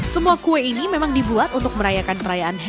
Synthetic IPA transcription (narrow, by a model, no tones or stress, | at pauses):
səmuakueinimemaŋdibuat̪unt̪ʊk̚məɾajakanpəɾajaʔanɦ